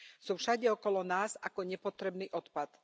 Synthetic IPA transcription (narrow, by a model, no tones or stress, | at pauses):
suːfʃaɟɛɔkɔlɔnaːzakɔɲɛpɔt̪ɾɛbniːʔɔt̪pat̪